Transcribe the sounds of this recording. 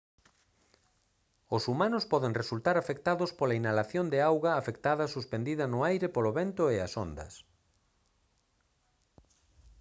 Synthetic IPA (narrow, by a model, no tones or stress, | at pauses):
ʊsumãnʊspɔðeŋresult̪aɾafek̚t̪aðʊspolainalaθjond̪ɪawɣɐːfekt̪aðɐsuspend̪iðɐnʊajɾɪpoloβent̪ʊea̰sond̪ɐ̰s